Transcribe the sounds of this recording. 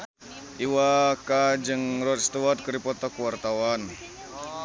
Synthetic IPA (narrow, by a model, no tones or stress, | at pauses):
ʔiwakad͡ʒɨŋrɔt̪̚st̪uwat̪̚kəɾipɔt̪ɔkuwart̪awan